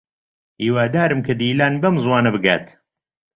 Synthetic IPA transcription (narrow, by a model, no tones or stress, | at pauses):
iːwaːd̪aːɾɨmkʰɐd̪iːlaːnbɐmzwaːnɐbɨɡa̰ːt̪